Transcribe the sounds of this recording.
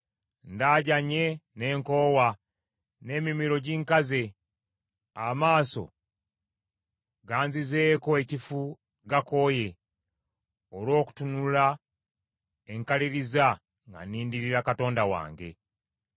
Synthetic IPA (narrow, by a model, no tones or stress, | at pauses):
ndaːɟaɲe̞ne̞ːŋko̞ːwa | ne̞ːmimiɾo̞ɟiːŋkaze̞ | amaːso̞̰ | ɡaːnzize̞ːko̞e̞cifu | ɡako̞ːje̞ | olwo̞ːku̥tunula | eŋkaliɾiza | ŋɡa̰niːndiɾiɾakato̞ːndawa̰ːŋɡe̞̰